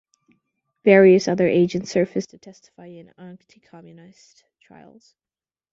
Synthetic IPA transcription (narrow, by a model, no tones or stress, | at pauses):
vɛɹiɨsʌðə˞ʔeɪd͡ʒɨ̃ntsɜ˞fɨstʰɨtʰɛstə̥faɪɪ̃nɑ̃ntʰikʰɑmjɨnaɪs | tʰɹ̥a̰ɪl̩ˠz̥